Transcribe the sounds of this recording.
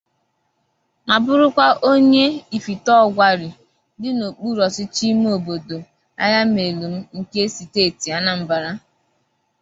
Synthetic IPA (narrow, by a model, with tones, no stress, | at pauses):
ma˨bʊ˦ɾʊ˦kʷa˦ʔo˦ɲe˦i˨fi˨tɔ˦˨ɡʷa˨ɾɪ˨ | dɪ˦no˨k͡pu˦ɾɔ˨sɪ˦t͡ʃi˦m˦o˨bo˨do˨ | a̰˦ja˦m˦e˨lu˨m̩˦ŋ̩˦ke˦si˨te˦˨ti˨a˦na˨m̩˨ba˨ɾa˦